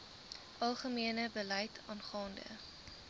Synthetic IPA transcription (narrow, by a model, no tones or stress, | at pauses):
ʔɐlˠχəmiənəbəlɐjtʰɑːnχɑːndə̰